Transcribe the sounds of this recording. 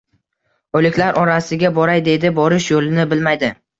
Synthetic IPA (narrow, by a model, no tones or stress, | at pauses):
olɪkʲlaɾʔɒɾasɪɡʲabɒɾajd̪e̞d̪ɪbɒɾɪʃjolɪnɪbɪlmajd̪ɪ